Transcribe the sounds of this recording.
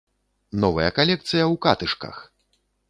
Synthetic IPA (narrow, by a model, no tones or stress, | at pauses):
nɔvɐ̰jɐ̰kalʲɛkt̪sɨjɐwkat̪ɨʂkɐ̰x